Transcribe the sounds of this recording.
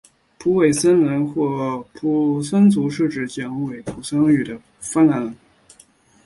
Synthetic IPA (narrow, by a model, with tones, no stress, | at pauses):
pʰu˧˥we˨˩ɪsə˥nwə˧˥nxwɔ˥˩pʰu˧˥sə˥nt͡su˧˥ʂɻ̩˥˧ʈ͡ʂɻ̩˨˩t͡ɕjɑ˧˥ŋwe˨˩ɪt̪ʰu˧˥sɤ˥ŋy˨˩d̪ə˦ | fa˥nla˧˥nlə˧˥˦n